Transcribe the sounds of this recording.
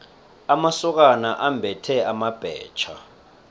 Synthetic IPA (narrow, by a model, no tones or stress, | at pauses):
amasɔk̬anaʔambʱɛtʰɛamab̥ʱɛ̰ːt͡ʃʰa̰